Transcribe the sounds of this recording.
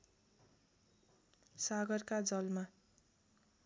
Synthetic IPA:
saɡʌrkad͡zʌlma

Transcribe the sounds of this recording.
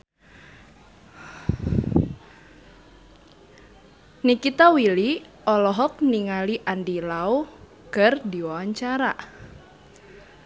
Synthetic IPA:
nikit̪awili | ɔlɔɦɔk̚niŋaliʔandilau | kərdiwawaɲt͡ʃaɾa

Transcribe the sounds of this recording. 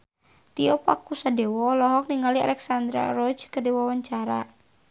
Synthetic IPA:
t̪iɔpakusadɛwɔlɔɦɔk̚niŋalia̰lɛksand̪ɾa̰ɾɔd͡ʒkədewɔwaɲt͡ʃaɾa̰

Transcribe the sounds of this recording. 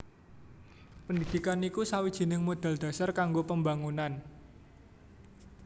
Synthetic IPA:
pəndid̪̥ikanikusawid̥ʒ̥i̤nɪŋmod̪̥a̤ld̪̥a̤sarkaŋɡopəmbaŋunan

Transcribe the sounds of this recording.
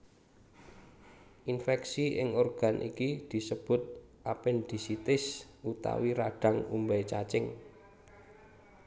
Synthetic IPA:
ʔinfɛksiʔɪŋɔrɡ̥a̤nʔḭkid̪̥i̤səb̥ʊ̤t̪̚ | ʔapɪnd̪̥i̤sit̪ɪs | ut̪a̰wiɾaɖ̥a̤ŋumbɛt͡ʃat͡ʃɪŋ

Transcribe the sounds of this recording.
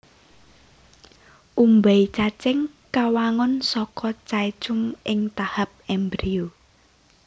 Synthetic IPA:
ʔumbait͡ʃat͡ʃɛŋ | kawaŋɔnsɔkʰɔt͡ʃait͡ʃʊmʔɪŋt̪ahap̚ɛmbɾio

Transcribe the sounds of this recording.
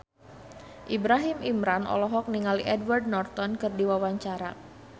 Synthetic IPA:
ʔibɾaɦimimɾanʔɔ̰lɔɦɔk̚niŋaliʔɛdward̚nɔrt̪ɔnkɨrdiwawaɲt͡ʃaɾa̰

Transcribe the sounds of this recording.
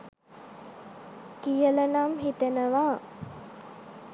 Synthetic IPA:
kijələnamɦit̪enəʋaː

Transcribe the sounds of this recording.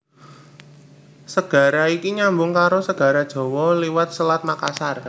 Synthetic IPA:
səɡ̥a̤ɾaikiɲambʊŋkaɾosəɡ̥a̤ɾad̥ʒ̥ɔ̤wɔliwat̪̚səlat̪̚makasar

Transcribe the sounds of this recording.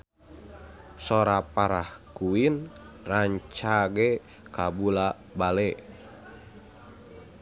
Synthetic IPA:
sɔɾapaɾahkuin | raɲt͡ʃaɡɛ | kabula | balɛ

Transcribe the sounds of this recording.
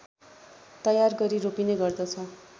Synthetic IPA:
t̪ʌjarɡʌɾiropinʌjɡʌrd̪ʌt͡sʰʌ

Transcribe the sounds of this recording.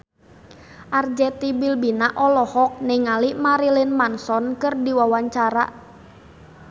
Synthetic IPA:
ʔard͡ʒɛt̪ibilbinaʔɔlɔhɔk̚nɛŋalimaɾilinmansɔnkɨrdiwawaɲt͡ʃaɾa̰

